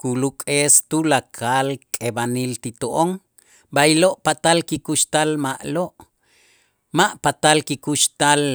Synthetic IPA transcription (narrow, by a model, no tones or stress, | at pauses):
kulukʼest̪ulakʰalkʼebanilt̪it̪oʔoŋ | bajloʔpat̪alkikuʃt̪almaʔloʔ | maʔpat̪alkikuʃt̪al